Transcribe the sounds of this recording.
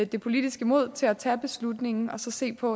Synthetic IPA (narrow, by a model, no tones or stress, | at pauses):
d̥e̝pʰo̝lid̥isɡ̥əmo̝ð̞̰ˠt͡sʰe̝læt͡sʰɛ̰ːb̥e̝slud̥ne̝ŋn̩ɒ̽sɒ̽se̝̰ːpʰɒ̽